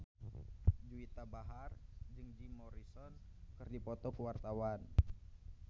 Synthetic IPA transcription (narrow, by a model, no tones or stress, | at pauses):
d͡ʒuit̪abaɦard͡ʒɨŋd͡ʒimɔɾisɔnkɨrdipɔt̪ɔkəwart̪awan